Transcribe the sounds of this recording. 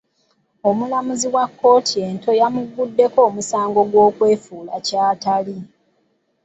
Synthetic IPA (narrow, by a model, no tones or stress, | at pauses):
o̞mulamuziwakːo̞ːtʰie̞nto̞jamuɡːudːe̞ko̞ːmusaːŋɡo̞ɡwo̞ːkwe̞ːfuːlacaːtali